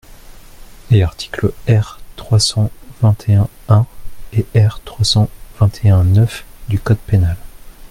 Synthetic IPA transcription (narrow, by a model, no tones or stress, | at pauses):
eaʁt̪ʰi̥kləɛʁt̪χwasɑ̃vɛ̃t̪ʰeɛ̃ | ɛ̃eʔɛʁt̪χwasɑ̃vɛ̃t̪ʰeɛ̃nœfd̪ykɔd̪penal